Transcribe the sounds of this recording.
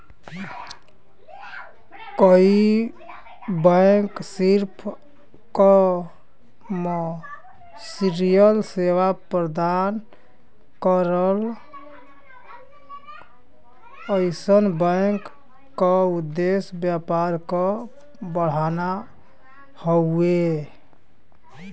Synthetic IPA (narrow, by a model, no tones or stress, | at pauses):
kəi | bəksiɾpʰ | kɔ | me | siɾijəlsewapɾəd̪an | kəɾəl | əɪsənbəkː | ɔud̪ːesbjapaɾkɔ | bəɽ̤ana | hɔe